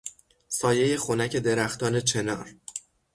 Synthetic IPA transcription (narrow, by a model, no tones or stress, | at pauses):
sɒːje̞je̞xonæcʰe̞d̪e̞ɾæxt̪ɒːnet͡ʃʰe̞nɒːɾ